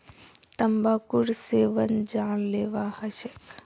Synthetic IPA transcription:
t̪ɐmbaːkuɾseːʋənd͡ʒaːɽleːʋahɐʃek

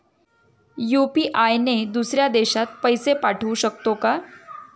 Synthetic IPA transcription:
jupiʔajned̪usɾjad̪eɕat̪̚pəjsepaʈʰuɕəkt̪oka

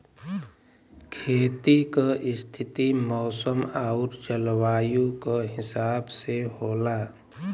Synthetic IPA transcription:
kʰeːt̪ikəʔɪst̪ʰɪt̪imɔːsəmaːʊɾt͡ʃəlwaːjũkoɦɪsaːbseɦoːlaː

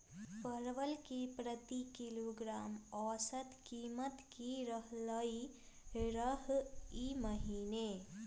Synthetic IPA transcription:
pəɾʋəlkipɾət̪ikiloːɡɾaːmɔːsət̪kiːmət̪kiɾəɦləi | ɾəɦiməɦiːne

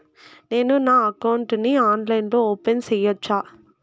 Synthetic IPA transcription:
neːnunaːɐkɐwuɳʈniaːnlɐjnloːoːpensɛjːɐt͡ʃːaː

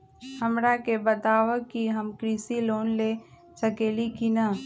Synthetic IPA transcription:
hɐmɾakebət̪aːʋəkːiɦəmkɾiːsiloːnle | səkeːlikina

